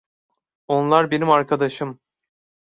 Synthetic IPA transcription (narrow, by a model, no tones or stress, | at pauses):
o̞nlˠaɾbenimaɾkʰad̪aʃɯm